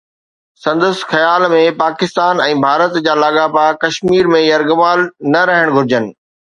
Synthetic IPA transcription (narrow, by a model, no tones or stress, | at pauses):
sɐ̃nd̪əsxɐjaːlmẽpaːkɪst̪aːnɛ̃ːbʱaːɾət̪d͡ʑaːlaːɠaːpakɐʃmiːɾmẽjɐɾɡəmaːlnɐɾɐɦəɽ̃ɡʱʊɾɪd͡ʑənɪ̆